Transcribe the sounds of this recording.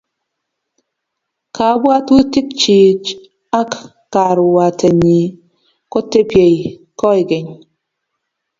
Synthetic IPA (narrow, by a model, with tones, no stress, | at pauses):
kʰa˨˦bwa˦tu˦ti˦k̚t͡ʃi˨t͡ʃ | a˦k | kːa˨ɾu˨wa˨tʰɛ˨ɲi˨ | kɔ˦te˦pje˨j | kɔ˦i˨ɡe˨ɲ